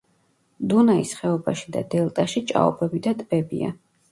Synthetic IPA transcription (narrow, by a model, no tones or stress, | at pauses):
d̪unaisχɛɔbaʃi̥d̪ad̪ɛlˠt̪ʼaʃit͡ʃʼa̰ɔ̰bʰɛbid̪at̪ʼb̥ɛbḭa̰